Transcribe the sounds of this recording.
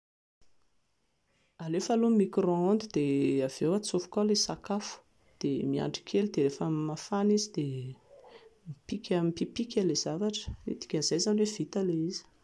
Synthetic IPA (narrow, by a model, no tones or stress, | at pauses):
alefalumikroand̪id̪̥eav̥ewat͡sofu̥kalesakafu̥ | d̪̥emia̰ɳɖ͡ʐi̥kʲʰelid̪eɾefəmafanizid̪e | mipikʲəmipipikʲalez̥avaʈ͡ʂə̥ḭt̪i̥kʲəzajzanwev̥it̪aleizi̥